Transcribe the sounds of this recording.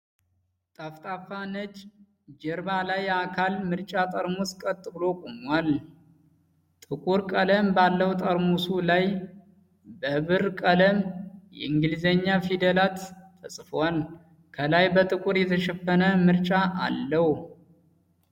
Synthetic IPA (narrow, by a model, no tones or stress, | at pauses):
t̪ʼaft̪ʼafanət͡ʃ | d͡ʒɛɾbalajakʰalmɨɾt͡ʃʼat̪ʼəɾmuskʼət̪ʼːɨblo̞kʼomwal | t̪ʼɨkʼuɾkʼələmbalːəwt̪ʼəɾmusulaj | bəβɨɾkʼələmjɛ̰ɨŋɡɨlizeɲːafid̪əlat̪ʰː | əsʼfwal | kʰəlajbət̪ʼɨkʼuɾjɛt̪ʰəʃɛfənəmɨɾt͡ʃʼaʔa̰lːəh